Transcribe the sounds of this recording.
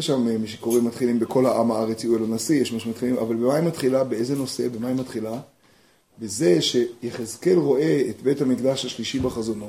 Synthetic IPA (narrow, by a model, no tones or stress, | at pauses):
eʃammiʃ̬e̥ko̞ʁimat̪χilimbeko̞lhaʔamaaʁet͡siuelanasijeʃmaʃmat̪χilimʔa̰valbemaimːatχilabeezeno̞se̞bemaimatχila | beze̞ʃe̞jeχezke̞lʁo̞ʔe̞et̪be̞thamiɡd̪aʃhaʃliʃibaχazo̞no̞